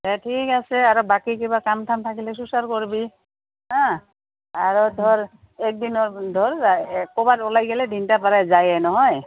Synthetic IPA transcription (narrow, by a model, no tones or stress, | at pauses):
ɛtʰikasɛaɹɔbakikibakamtʰamt̪ʰakilɛs̬usaɹkɔɹibi | ɦã | aɹɔdʱɔɹ | ɛk̚dinɔɹdʱɔɹkɔbatɔlajɡɛlɛdʱintapaɹazajɛnɔɦɔj